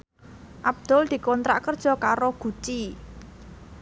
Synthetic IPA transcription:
ʔab̚d̪̥ɔ̤ld̪̥i̤kɔnt̪ɾa̰ʔkərd̥ʒ̥ɔ̤kaɾoɡ̥ṳt͡ʃi

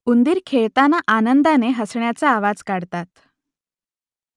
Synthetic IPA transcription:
und̪iːɾkʰeɭt̪anaʔanənd̪aneɦəsɳjat͡saːʋad͡zkaɽt̪at̪

